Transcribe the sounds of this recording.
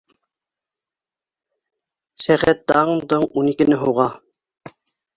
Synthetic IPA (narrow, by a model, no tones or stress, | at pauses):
sæχæt̪̚d̪ɑɴd̪ɤɴunikɘ̆nɘɦuʁɑ